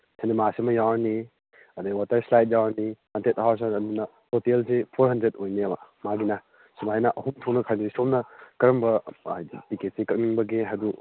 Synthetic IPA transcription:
senemasimɐjawɾni | ɐdaɡwatɐɾslajt̚jawɾnihantʰet̚awɾs̬anɐdunɐ | totelsepʰoɾɦɐndɾet̚ojniɐbɐmaɡinɐ | simajnɐʔɐhumtʰoknɐkʰajnɐisomnɐkɐɾɐmbɐajdipiket̚sekɐk̚niŋbɐɡeɦɐdu

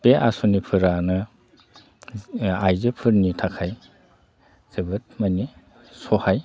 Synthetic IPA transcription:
peʔa̰sunipʰɯɾanɯ | ajzɯpʰɯɾnitʰakʰaj | z̥ɯbɯt̚mani | sɔhaj

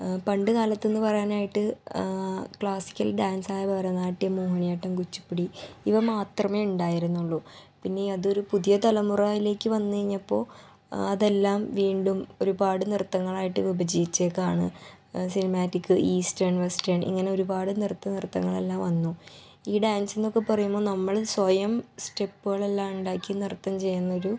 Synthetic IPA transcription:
pɐɳɖɨkaːlɐt̪ːe̞nːɨpɐrɐjaːnaːjiʈːɨ | kɭaːsi̥kʲːɐlɖaːnsaːjɐbɐrɐnaːʈːijɐmuːɦɐnijaːʈːɐmkut͡ɕːu̥pːiɽiiʋɐmaːt̪rɐme̞ːuɳɖaːjiɾunːuɭːupinːe̞ɐðoɾupuðijɐt̪ɐlɐmuraːjile̞ːkːɨʋɐnːɨɐiɲːɐpːo̞̰ː | ɐðe̞lːaːmʋiːɳɖumo̞ɾubaːɽɨnirt̪ːɐŋːɐɭaːjiʈːɨʋibɐd͡ʑijit͡ɕːekːaːɳɨ̰ | sinɐmaːtːikːɨʔiːstɐrɳʋestɐrɳʔḭŋːɐne̞o̞ɾubaːɽɨnirt̪ːɐnirt̪ːɐ̰ŋːɐɭelːaːmʋɐnːu | iːɖaːnse̞nːokːe̞pɐrɐjumːo̞ːnɐmːɐɭswɐjɐmste̞pːuɣɐɭe̞lːaːmuɳɖaːkːinirt̪ːɐmt͡ɕe̞jːunːɐo̞ɾu

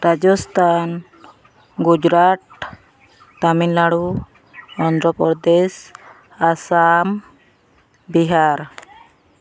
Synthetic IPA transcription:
ɾad͡ʒɔst̪ʰan | ɡud͡ʒɾaʈ̪ | t̪aminlaɽu | ɔnd̪ɾɔpɔd̪es | asam | biɦaɾ

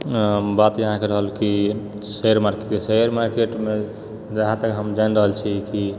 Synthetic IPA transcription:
bat̪jəɦãkeɾəɦəlki | seəɾmaɾkeʈeseəɾmaɾkeʈme | d͡ʒaɦãt̪əkɦəmd͡ʒanɾəɦəlt͡ʃʰiki

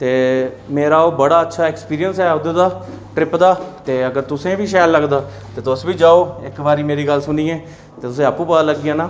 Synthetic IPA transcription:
t̪eː | meːɾaːoːbəɽaːətːʃʰaːɛːkspiːɾiənsɛːʊd̪eːd̪aː | ʈɾɪpd̪aːt̪eːəɡəɾt̪ʊsẽːʋiːʃaːjlːəɡd̪aː | t̪eːt̪ʊsʋiːd͡ʒaːoːɪkbaːɾiːmeːɾiːɡəlsʊniːɛ̃ː | t̪eːt̪ʊsẽːapũːpəd̪aːləɡːiãːnaː

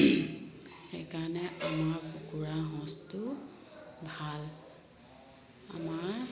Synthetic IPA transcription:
xɛjkaɹɔnɛʔamaɹpukuɹaɦɔ̃stʊ | bʱal | a̰maɹ

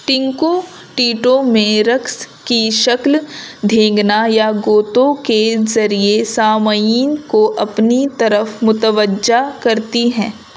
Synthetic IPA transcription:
ʈɪ̃ŋko | ʈiːʈõmẽɾɐks | kiʃɐkld̪ʱẽːŋɡnajaɡoːt̪õkezɐɾiesaːməiːnkoʔɐpnit̪ɐɾəfmʊt̪əʋəd͡ʒakɐɾt̪iɦɛ̃ː

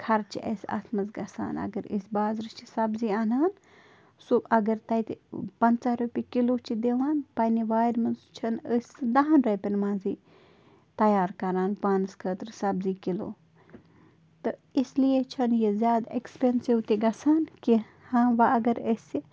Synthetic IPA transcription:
kʰɐɾt͡ʃʰiʔɐ̰sɐ̰t̪ʰmɐzɡɐsa̰ːnɐ̰ɡəɾḭsbaːzɾɨt͡ʃʰisɐbziːaːnaːn | suɐɡɐɾt̪ɐjt̪pɐnt͡saɾupʲikiloːt͡ʃʰid̪eʋaːnpɐniʋaːjɾmɐnzt͡ʃʰɐnəsʲd̪ɐɦanɾɐjpʲinmãːnziː | t̪ɐjaːɾkɐɾaːnpaːnskʰəːt̪ɾsɐbziːkilo̰ː | t̪ɨislijet͡ʃʰɐnjezʲjaːd̪ekspensiwt̪iɡɐsaːnki | hãːʋɐɐɡəɾəsʲi

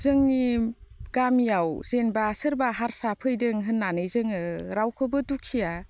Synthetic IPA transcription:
zɯŋniɡ̥amjawzenbasɯɾbaɦaɾsapʰɯjdɯŋɦɯnːanɯjzɯŋɯɾawkʰɯbɯdukʰija

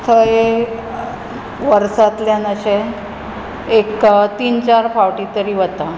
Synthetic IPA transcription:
t̪ʰəje | ʋəɾsat̪ljanəɕe | ekt̪iːnt͡ɕaɾfaʋʈit̪əɾiːʋət̪a

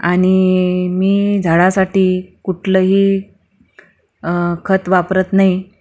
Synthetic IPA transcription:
aɽ̃imiːd͡zʱaɭasaʈiːkuʈʰləːɦiː | kʰət̪ʋapɾət̪nai

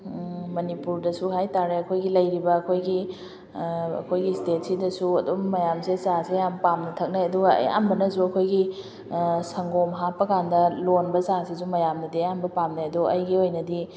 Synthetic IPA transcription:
mɐnipuɾdɐsuɦajtaɾeɐkʰojɡilɐjɾibɐːkʰojɡi | ɐ̰kʰojɡistet̚sidɐsuɐdumːɐjamsezasejampamnɐtʰɐk̚naɐduɡɐɐ̰ja̰mbɐnɐzuɐkʰojɡi | sɐŋɡomɦapːɐkandɐlonbɐzasizumɐjamnɐdeambɐpamnaɐdoʔɐjɡiojnɐdi

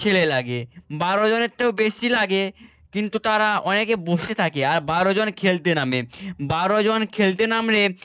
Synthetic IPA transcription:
t͡ʃʰelelaɡebaɾod͡ʑoneɾt̪ːewbeʃilaɡe | kint̪ut̪aɾaɔnekeboʃet̪ʰakeaɾbaɾod͡ʑonkʰelt̪enamebaɾod͡ʑonkʰelt̪enamɾe

